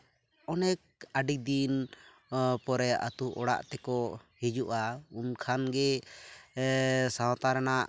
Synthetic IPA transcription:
ɔnɛk̚aɖik̚d̪in | pɔɾɛʔa̰t̪uʔɔɽa̰ʔt̪ɛkɔhid͡ʒuʔaunkʰanɡɛ | sawt̪aɾanaʔ

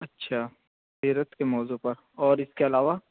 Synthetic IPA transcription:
ɐtːʃʰaː | siːɾət̪kemɔːzupɐɾ | ɔːɾɪskeɐlaːʋa

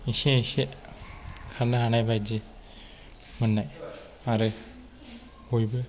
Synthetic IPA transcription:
iseiseʔ | kʰanːɯɦanajbajd͡ʒi | mɯnːaj | aɾɯ | hojbɯ

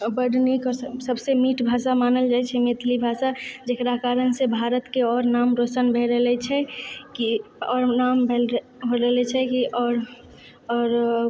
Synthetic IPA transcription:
bəɖnikɔɾsəbsemiːʈbʱaːʃamaːnəld͡ʒaːɛt͡ʃʰɛmet̪ʰlibʱaːʃad͡ʒekɾakaːɾənsebʱaːɾət̪keɔːɾnaːmɾosənbʱeɾəɦlɛt͡ʃʰɛkiɔːɾnaːmbʱel | ɦoɾəɦlɛt͡ʃʰɛkiʔɔːɾ | ɔːɾ

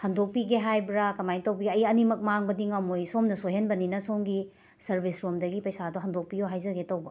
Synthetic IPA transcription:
hɐndok̚piɡeɦajbɾakɐmajntɐwbɐɡiɐjɐnimɐk̚maŋbɐdiŋɐmojsomnɐsojenbɐninɐsomɡi | sɐɾbisɾomdɐɡipɐjsadoɦɐndok̚pijoɦajzɐɡetɐwbɐ

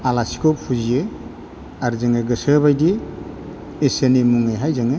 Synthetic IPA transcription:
alasi̥kʰɔppʰuzije | aɾzɯŋeɡɯsɯbajdiː | senimuŋajɦajzaŋe

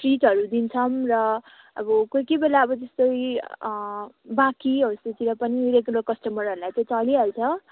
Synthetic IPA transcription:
ʈriʈʌɾud̪int͡sʰʌmrʌ | ʌ̰bʌkojkebelaʌbʌt̪ʌst̪oj | bakiɦʌset̪iɾʌpʌniɾeklokʌsʈʌmʌɾɦʌɾulajt͡sʌ̃j̃t͡sʌlialt͡sʰʌ

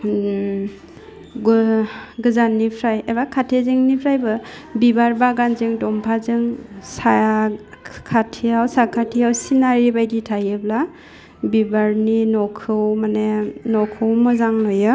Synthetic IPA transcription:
ɡ | ɡɯzanːipʰɾajebakʰatʰezɯŋnipʰɾajbɯ | bibaɾbaɡanzɯŋdɔmpʰazɯŋsa | kʰatʰijawsakʰatʰijawsinaɾibajditʰajɯbla | bibaɾninɔkʰɯwmanenɔkʰɯwmɯzaŋlojɯ

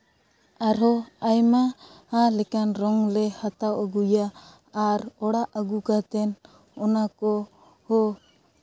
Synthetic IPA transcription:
aɾɦɔajma | alɛkanɾɔŋlɛhat̪awaɡujaː | ɾɔɽaʔaɡukat̪ɛn | ɔnakɔ | hɔ

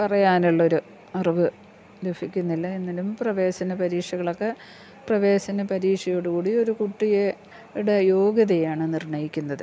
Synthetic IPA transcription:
pɐrɐjaːnuɭːo̞ɾu | ɐrʋɨ | lufikʲːunːilːɐenːɐlumprɐʋe̞ːɕɐnɐpɐɾiːʂɐɣɐɭo̞kːe̞ | prɐʋe̞ːɕɐnɐpɐɾiːʂɐjoːɽukuːɽio̞ɾukuʈːije | iɽejo̞ːɡjɐðɐjaːɳɨnirɳɐjikʲːunːɐðɨ

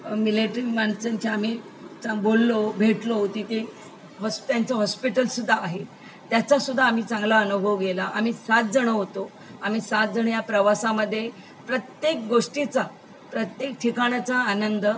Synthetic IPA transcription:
mileʈɾimaɳsənt͡ɕʰeam̤iː | t͡saŋbolːobʱeʈlot̪it̪e | ɦɔst̪jant͡səɦɔspiʈəlsud̪ʱːaːɦe | t̪jat͡sasud̪ʱːaːm̤iːt͡sãŋɡlaənubʱəʋɡelaʔam̤iːsat̪̚d͡zəɳ̃əɦot̪o | am̤iːsat̪̚d͡zəɳ̃japɾəʋasaməd̪ʱːje | pɾət̪jek̚ɡoʂʈit͡sa | pɾət̪jek̚ʈʰikaɽ̃at͡saːnənd̪ə

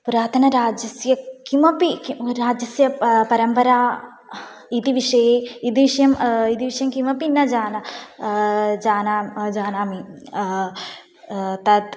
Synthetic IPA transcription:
puɾaːt̪ʰɐnɐɾaːd͡ʒjɐsjɐkimɐpiɾaːd͡ʒjɐsjɐpɐɾɐmpɐɾaː | id̪iʋiʂɐjeːid̪iʋiʂɐjɐmid̪iʋiʂɐjɐmkimɐpinːɐd͡ʒaːnɐ | d͡ʒaːnaːd͡ʒaːnaːmi | t̪ɐd̪

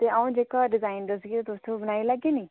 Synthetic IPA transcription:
t̪eːəũːd͡ʒeːkaːɖɪzaːɪnɖəɾsɡiːt̪et̪ʊst̪ʰõbənaːiːləɡeːniː

